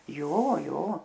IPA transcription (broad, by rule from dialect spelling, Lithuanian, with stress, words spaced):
ˈjoː ˈjoː